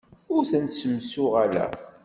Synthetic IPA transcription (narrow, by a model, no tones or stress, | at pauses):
ʊɾθænsəmsʊʁalæ̰